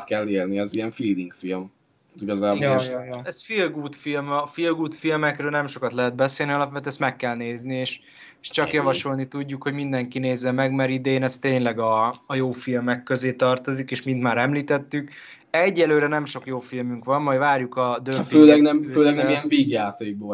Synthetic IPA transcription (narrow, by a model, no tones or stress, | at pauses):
t̪kɛlːeːlniɛziɛɱfiːd̪iŋkfilm | tiɡɒzaːbjɛsfilɡuːt̪filmfilɡuːt̪filmɛkrøːlnɛmʃo̞kɒt̪lɛɦɛd̪̚bɛseːlniɒlɒpʋɛt̪ɛst̪mɛkːɛlneːznieːʃ | ʃt͡ʃɒkjɒvɒʃo̞lnit̪uɟːukho̞ɟmind̪ɛŋkineːzɛmɛɡmɛɾid̪ɛeːnɛst̪eːɲlɛɡɒːjoːfilmɛkːøzeːt̪ɒrt̪o̞zikeːʃmint̪maːɾɛmliːt̪ɛt̪ːyk | ɛɟːɛløːɾɛnɛmʃo̞kjoːfilmyŋkʋɒmmɒjvaːrjukɒd̪ønøːlɛɡnɛmøːlɛɡnɛɛijɛɱviːɡjaːt̪eːɡ̚boː